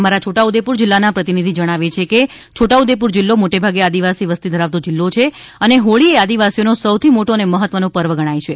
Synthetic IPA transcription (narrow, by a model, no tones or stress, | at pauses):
maɾat͡ʃʰoʈaud̪epuɾd͡ʒɪlːanapɾət̪inid̪ʱid͡ʒəɽ̃aʋet͡ʃʰeke | t͡ʃʰoʈaud̪ep̬uɾd͡ʒɪlːomoʈebʱaɡead̪iʋasiʋəst̪id̪ʱəɾaʋt̪od͡ʒɪlːot͡ʃʰe | əneɦoɭiead̪iʋasijonosəwt̪ʰimoʈoəneməɦət̪ʋənõpəɾʋəɡəɽ̃ajt͡ʃʰe